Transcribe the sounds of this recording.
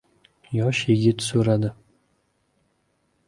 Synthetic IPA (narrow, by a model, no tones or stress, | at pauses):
jɒʃjeɡʲɪt̪soɾad̪ɪ